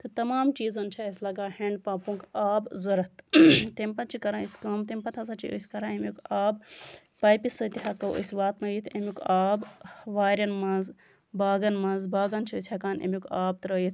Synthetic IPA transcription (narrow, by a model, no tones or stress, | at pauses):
t̪ɨt̪ɐmaːmt͡ʃiːzɐnt͡ʃʰɐɐslɐɡaːheɳɖpãːpũŋkaːbzɐɾɐt̪t̪empɐt̪t͡ʃʰikɐɾãːiskɐmt̪empɐt̪ʰɐsɐt͡ʃʰḭʔo̰sʲkɐɾãːemʲukaːb | paːjpisɐt̪iɦɐkɐwʔo̰sʲʋaːt̪nɐjit̪ʰemukaːbʋaːɾʲɐnmɐnz | baːɡɐnmɐnzbaːɡɐnt͡ʃʰisʲɐkaːnḛmjukaːb̚t̪ɾɐːjit̪ʰ